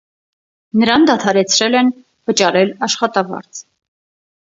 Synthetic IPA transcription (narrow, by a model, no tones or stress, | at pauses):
nəɾɑnd̪ɑt̪ʰɑɾɛt͡sʰɾɛlɛn | vət͡ʃɑɾɛlɑʃχɑt̪ɑvɑ̰ɾt͡sʰ